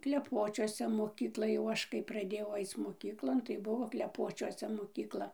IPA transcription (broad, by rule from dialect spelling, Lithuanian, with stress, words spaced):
klʲɛˈpoːt͡ʃʲuɔsʲɛ moːˈkʲiːklˠɐ jɛʊ ˈɐʃ kɐɪ prɐˈdʲeːjɛʊ ˈɐɪt͡s moːˈkʲiːklˠoːn tɐɪ ˈbʊʋoː klʲɛˈpoːt͡ʃʲuɔsʲɛ moːkʲiːkˈlˠɐ